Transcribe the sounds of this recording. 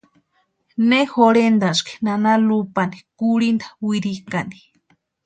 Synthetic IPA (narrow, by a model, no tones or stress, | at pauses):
nehoɾend̪aski̥nanalupanikuɾind̪ḁwiɾikani̥